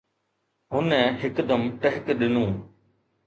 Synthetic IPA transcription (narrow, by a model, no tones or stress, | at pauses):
ɦʊnɛ̃ːɦɪkd̪əmʈəɦɪkɗɪnũː